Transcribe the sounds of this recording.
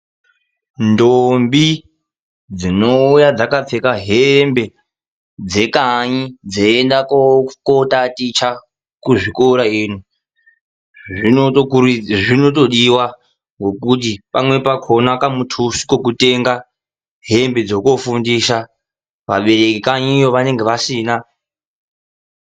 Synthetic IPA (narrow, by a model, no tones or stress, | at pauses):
ndombi | d͡zino̞ujad͡zakap͡fekaɦembe̞ | d͡ze̞kaɲid͡zeendakokotatit͡ʃa | kuʐikoɾaiːnu | i | ʐino̞to̞ɗiwa | ŋɡo̞kut̬ipamwe̞pakʰo̞nakamutʰusi̥ko̞k̬ute̞ŋɡa | ɦe̞mbe̞d͡zo̞ko̞fundiʃa | ʋa̰ɓe̞ɾekikaɲiːjo̞ʋane̞ŋɡeʋasiːna